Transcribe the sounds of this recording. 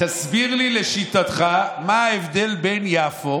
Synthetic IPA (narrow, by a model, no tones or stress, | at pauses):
t̪asbiʁlile̞ʃit̪at̪χamaːevd̪e̞lbe̞njafo